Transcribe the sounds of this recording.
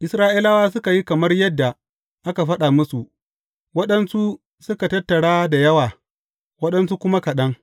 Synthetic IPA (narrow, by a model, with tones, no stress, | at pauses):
ʔɪ˨sɾaː˦ʔi˦la˦waː˦s̬ʊ˦ka˨ji˦kɐ˨mɐ˦rjɐ˦dːa˨ | ʔa˦ka˨ɸɐ˦ɗa˨mʊ˦su˨ʔ | wɐ˦ɗɐ˦nsu˦ | sʊ˦ka˨tɐ˦tːɐ˨ɽaː˦da˨jɐ˦waː˨ | wɐ˦ɗɐ˦ns̬u˦kʷʊ˦ma˦kɐ˨ɗɐ˦ŋ